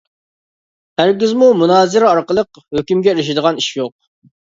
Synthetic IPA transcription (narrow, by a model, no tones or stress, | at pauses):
hæɾɡʲɪzmumunɑːzɪɾɛɑɾqəlˠəq | høkʲymɡʲɛeɾɪʃid̪əʁɑniʃjoq̚